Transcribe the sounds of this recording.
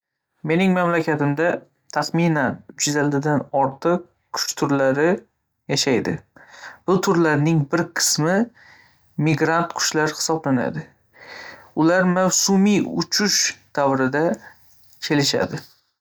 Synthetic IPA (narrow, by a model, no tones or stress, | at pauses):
me̞nɪŋmamlakʲat̪ɪmd̪a | t̪ʰaχmɪnanʊt͡ʃʰɪzald̪ɪd̪anɒɾt̪ʰɨq̚ | kʰʊ̥t͡ʃt̪ʰʊɾlaɾɪ | jaʃajd̪ɪ̰b̥ʊt̪ʰʊɾlaɾnɪŋbɪɾqʰɨ̥smɪ | mɪɡɾant̪kʰʊ̥ʃlaɾhɪ̥sɒblana̰d̪ɪ | ʊlaɾmawsʊmiʊt͡ʃʰʊʃd̪̥avɾɪd̪a | kʲʰe̞lɪʃa̰d̪ɪ